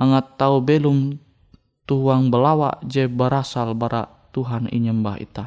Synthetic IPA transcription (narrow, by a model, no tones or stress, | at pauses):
aŋat̪ːaubɛlum | t̪uɦuaŋbəlawa̰ʔd͡ʒɛbəɾasalbaɾʔaʔ | t̪uɦanḭɲəmbaɦḭt̪a